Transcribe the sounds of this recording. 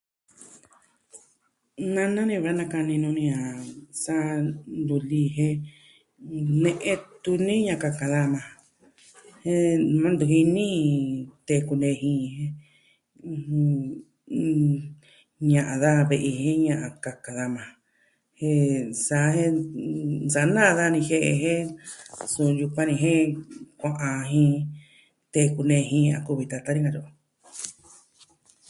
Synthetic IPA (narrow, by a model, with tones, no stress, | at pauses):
nã˦˧nã˦nĩ˧βɾa˦nã˧ka˧nĩ˧nũ˧nĩ˧ã˨sa˦nd̪u˧li˧ɦẽ˦ | nẽ˧ʔẽ˧t̪u˧nĩ˦ɲã˧ka˧ka˧ða˧mã˧ | he˧mã˦nd̪u˧ɦi˧nĩ˦t̪e˧˨˧ku˧nd̪e˧ɦĩ˧ẽ˧ | ɲã˧ʔã˧ða˧βe˧ʔi˧hẽ˦ɲã˧ʔã˧ka˧ka˧ða˧mã˧ | hẽ˧sa˧˦hẽ˦ | sa˨˧˦nãː˦˧ða˦˧nĩ˧he˦˧ʔḛ˧ɦẽ˦ | su˧ju˧kʷã˦nĩ˧ɦẽ˦kʷã˧ʔã˧ɦĩ˧ | t̪e˧ku˧nẽ˧ɦĩ˧ɲ˧ã̰˧ku˧βi˧t̪a˧t̪a˦ĩ˦ŋã˧ɾo˧ʔ